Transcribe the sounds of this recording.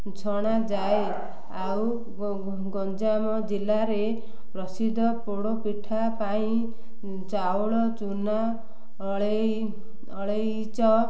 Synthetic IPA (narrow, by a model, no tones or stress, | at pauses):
t͡ʃʰɔɽ̃ad͡ʒae | aw | ɡɔnd͡ʒamɔd͡ʒilːaɾe | pɾʌsid̪ʱːɔpoɽopiʈʰːapaĩ | t͡ʃawoɭɔt͡ʃuna | ɭe | ɔɭej | t͡ʃʰɔ